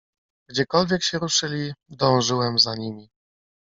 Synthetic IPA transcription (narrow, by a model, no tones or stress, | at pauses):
ɡd͡ʑɛkɔlvʲjɛkɕɛɾuʂɘlʲid̪ɔ̃w̃ʐɘwɛmzaɲimʲi